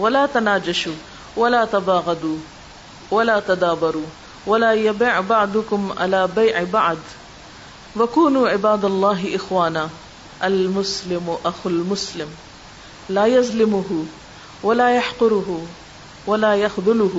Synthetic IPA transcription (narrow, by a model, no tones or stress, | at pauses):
walaːt̪anaːd͡ʒaʃuː | walaːt̪abɑːɣɑd̪uː | walaːt̪ad̪aːbɑɾˤuː | walaːjabiːʕbaʕd̪ʊkʊmʕa̰laːbajʕbaʕd̪ | wakuːnuːʕɪbaːd̪alˤːɑːɦʔɪxwaːnaː | ʔalmʊslɪmʔaxalmʊslɪm | laːjazlɪmʊɦʊ | walaːjaħqʊɾʊɦʊ | walaːjaxðˤʊlʊɦ